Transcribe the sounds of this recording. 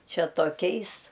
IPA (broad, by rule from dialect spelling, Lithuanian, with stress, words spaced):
ˈt͡ʃʲɛ toːˈkʲɛɪs